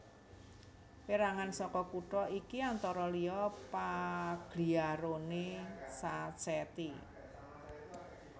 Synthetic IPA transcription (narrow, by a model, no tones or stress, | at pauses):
piɾaŋansɔkɔkuʈɔʔikiant̪ɔɾɔliɔpaɡ̥liaɾonesat͡ʃɛt̪i